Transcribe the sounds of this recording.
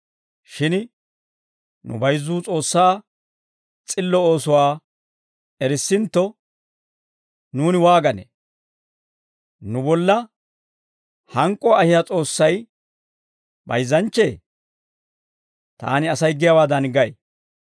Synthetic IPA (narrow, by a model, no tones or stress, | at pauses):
ʃɪn | nʊ̰bɐjzuːt͡sʼo̞ːsːaː | t͡sʼɪlːɔo̞ːsʊwaː | ɛɾɪsːɪnt̪ːɔ | nuːnɪwaːɡɐnḛ | nʊbɔlːɐ | hɐŋkʼːɔaːhɪjat͡sʼo̞ːsːɐj | bɐ̰jzːɐnt͡ʃːe̞ː | t̪a̰ːnɪɐsɐjɡɪjawaːd̪ɐnɡɐʔe